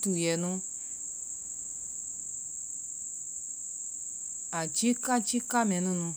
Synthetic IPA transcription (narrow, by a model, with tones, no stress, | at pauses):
tu˨jɛ˨nũ˦ | a˨t͡ʃi˦ka˦t͡ʃi˦ka˦mɛ̃˨˦nũ˦nũ˧